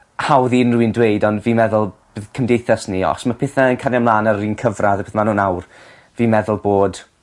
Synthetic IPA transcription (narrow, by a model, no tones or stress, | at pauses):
hawðinruɨndwejdɔndviːmɛðʊlˠb̥ɨðkʰəmdejθasniɔ̰smapʰɪθaənkʰanjamlˠaːnərːiːnkʰəvraðəpʰɪθmanuːnawr | viːmɛðʊlˠboːd̥